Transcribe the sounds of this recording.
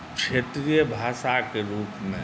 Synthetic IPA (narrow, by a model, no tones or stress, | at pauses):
kʃeːt̪ɾiːjəbʱaːʃakeɾuːpmẽ